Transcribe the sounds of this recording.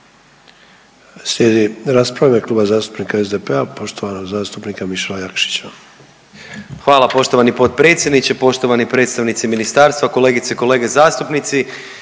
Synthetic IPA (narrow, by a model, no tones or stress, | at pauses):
slʲjeːd̪iɾaspɾavameklˠuːbazaːst̪u̥pnikaezd̪epeapo̞ʃt̪oʋanoɡzaːst̪upnikamiʃalajakʃi̥t͡ɕa | xʋaːlapo̞ʃt̪o̞ʋanipo̞t̪̚pɾe̞ːt̪sjed̪nit͡ɕepo̞ʃt̪o̞ʋanipɾet̪st̪aʋnit̪siminist̪aːɾst̪ʋako̞le̞ːɡit̪seko̞le̞ːɡezaːst̪upnit̪si